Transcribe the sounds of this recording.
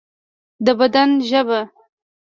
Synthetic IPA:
d̪əbad̪anʒəba

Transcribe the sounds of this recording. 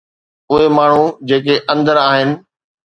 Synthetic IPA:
ʊɦemaːɳ̤ud͡ʑeːkeʔɐ̃nd̪əɾaːɦɪnɪ̆

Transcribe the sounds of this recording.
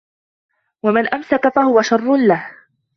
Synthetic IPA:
wamanʔamsakafahʊwaʃɑrˤːʊnlah

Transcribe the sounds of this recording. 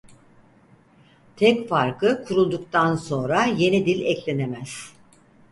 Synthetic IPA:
t̪ʰɛcfaɾkʰɯkʰuɾulˠd̪ukt̪ʰanso̞nɾaje̞nid̪ilʲɛclʲe̞ne̞mæz̥

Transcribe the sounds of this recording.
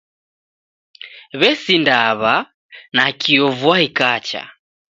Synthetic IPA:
βɛsindaβa | nakʰiɔvwahikat͡ʃa̰

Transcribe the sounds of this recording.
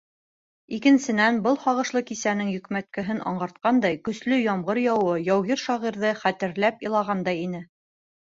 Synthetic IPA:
ikɘ̆nsɘ̆nænbɤlˠχɑʁɤ̆ʃlˠɤkisænɘŋjɵ̆kmæt̪̚kɘ̆ɦɘnɑ̰ɴɢɑɾt̪̚qɑnd̪ɑjkɵ̆slɵjɒmʁɤɾjɑwɤjɑwɣiɾʃɑʁiɾðɤχæt̪ɘ̆ɾlæpilˠɑʁɑnd̪ɑjinɘ

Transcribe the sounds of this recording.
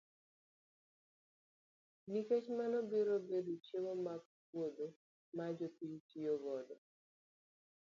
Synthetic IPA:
niket͡ʃmanɔbeɾobedot͡ʃemomak̚ | wod̪o | mad͡ʒopiɲtioβɔd̪ɔ

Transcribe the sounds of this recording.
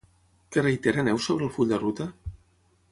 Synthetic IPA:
kərəjt̪ɛɾənɛwsoβɾəlˠfuʎʲd̪ərut̪ə

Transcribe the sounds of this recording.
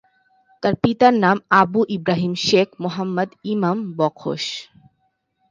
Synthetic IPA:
t̪aɾpit̪aɾnamabuʔibɾaɦimʃekʰmoɦamːəd̪imambɔkʰo̰ʃ

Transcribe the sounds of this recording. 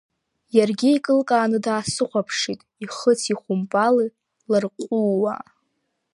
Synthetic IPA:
jarɡʲiikʼɨlkʼaːnɨdaːsɨχʷapʰʂitʼiχət͡sʰiχʷʊmpʼali | larqʷʼuwa̰

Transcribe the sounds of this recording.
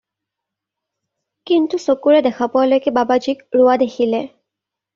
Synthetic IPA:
kintusokuɹɛdɛxʰapʊalojkɛbabad͡ʒikɹʊwadexʰilɛ

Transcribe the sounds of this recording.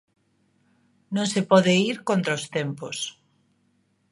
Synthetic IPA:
nõŋsepɔðeiɾkont̪ɾaost̪empos

